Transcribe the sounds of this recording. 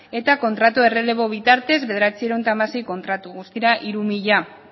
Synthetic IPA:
e̞t̪ako̞nt̪ɾat̪uere̞le̞βo̞β̞it̪aɾt̪e̞zβe̞ðeɾat͡sieɾeont̪amase̞jko̞nt̪ɾat̪uɣust̪iɾaʔiɾumiʎa

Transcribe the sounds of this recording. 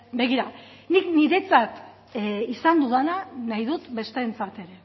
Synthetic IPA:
be̞ɣiɾa | nikniɾe̞t͡sat̪ | isand̪uðananajðut̪be̞st̪eːnt͡sat̪e̞ɾe̞

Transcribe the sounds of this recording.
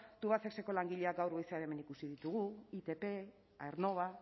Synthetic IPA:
t̪uβasekseko̞laŋɡiʎe̞aɡawɾɣojseaɾe̞me̞nikusiðit̪uɣ̞uit̪e̞pe̞ | aeɾno̞βa

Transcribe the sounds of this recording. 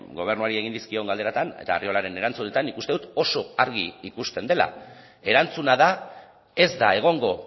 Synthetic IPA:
ɡo̞β̞e̞rnuaɾie̞ɣind̪iskio̞ŋɡald̪eat̪anḛt̪aːrio̞laɾe̞ne̞ɾant͡sune̞t̪anːikust̪eut̪o̞so̞aɾɣiikust̪e̞nd̪e̞la̰ | e̞ɾant͡sunaða | e̞zd̪ae̞ɣ̞o̞ŋɡo̞

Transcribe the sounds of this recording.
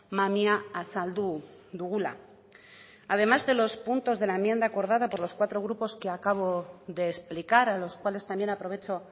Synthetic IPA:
mamiaːsald̪ud̪uɣula̰ | að̞e̞mazðe̞lo̞spunt̪o̞zðelaemje̞nd̪aːko̞ɾð̞aðapo̞ɾlo̞skwat̪ɾo̞ɣ̞ɾupo̞ske̞akaβ̞o̞ðe̞ːsplikaɾalo̞skwale̞st̪ambje̞napɾo̞βe̞t͡ʃo̞

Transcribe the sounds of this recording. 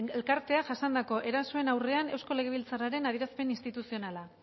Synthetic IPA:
elkaɾt̪e̞aʝasand̪ako̞ʔe̞ɾasoe̞nawre̞ane̞wsko̞le̞ɣe̞β̞ilt͡saraɾe̞nað̞iɾaspe̞ninst̪it̪usio̞nala

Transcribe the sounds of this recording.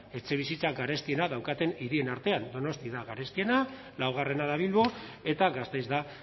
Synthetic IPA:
e̞t͡se̞β̞isit͡saɡaɾe̞st̪ie̞naðawkat̪e̞niɾie̞naɾt̪e̞and̪o̞no̞st̪iðaɣaɾe̞st̪ie̞na | lawɣ̞are̞naðaβ̞ilβo̞e̞t̪aɣast̪ejzd̪a

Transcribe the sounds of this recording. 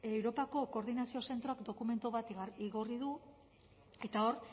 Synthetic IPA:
ewɾo̞pako̞ko̞ɾðinasio̞se̞nt̪ɾo̞akd̪o̞kume̞nt̪uβat̪iɣoriðu | e̞t̪ao̞ɾ

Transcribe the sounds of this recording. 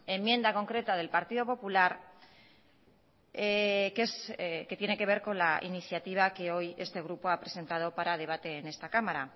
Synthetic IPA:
e̞mje̞nd̪ako̞ŋkɾe̞t̪að̞e̞lpaɾt̪iðo̞po̞pulaɾ | keske̞t̪je̞ne̞ke̞β̞e̞ɾko̞nlaʔḭniθjat̪iβ̞ake̞o̞je̞st̪e̞ɣ̞ɾupo̞apɾe̞se̞nt̪að̞o̞paɾað̞e̞β̞at̪e̞ːne̞st̪akamaɾa

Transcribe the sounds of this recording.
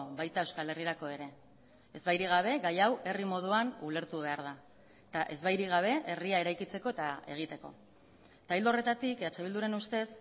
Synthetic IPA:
βajt̪ae̞wskale̞riɾako̞e̞ɾe̞ | e̞zβajɾiɣ̞aβ̞e̞ɣajawe̞rimo̞ð̞uanule̞ɾt̪uβe̞aɾð̞a | t̪aʔe̞zβajɾiɣ̞aβ̞e̞e̞riae̞ɾajkit͡se̞ko̞e̞t̪ae̞ɣ̞it̪e̞ko̞̰ | t̪ajld̪ore̞t̪at̪ikat͡ʃe̞β̞ild̪uɾenust̪e̞s

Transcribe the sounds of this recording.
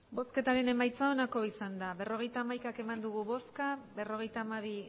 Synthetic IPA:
bo̞ske̞t̪aɾe̞ne̞majt͡sao̞nako̞isand̪aβe̞ro̞ɣ̞e̞jt̪aːmajkake̞mand̪uɣ̞uβo̞skabe̞ro̞ɣ̞e̞jt̪aːmaβi

